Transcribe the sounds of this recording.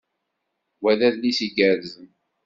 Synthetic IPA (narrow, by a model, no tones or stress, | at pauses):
wæðæðlisiɡəɾzən